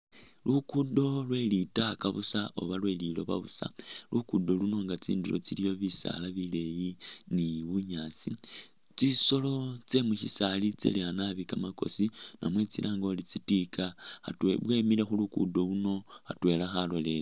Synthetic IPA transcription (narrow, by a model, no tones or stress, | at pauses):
lukudo̞lwe̞litakaβusaʔo̞̰βalwe̞lilo̞βa̰βusa̰lʔukudo̞luno̞ŋɡat͡sḭːndiɾo̰t͡silijo̞βisa̰laβile̞jiniβuɲaːt͡si | t͡siso̞lo̞t͡se̞muʃisalit͡sḛlianaβikamako̞̰sinʔamwe̞t͡sḭlʔaːŋɡo̞lit͡sitikaatwḛβwemile̞xulukṵdo̞luno̞atwe̞laxalo̞le̞le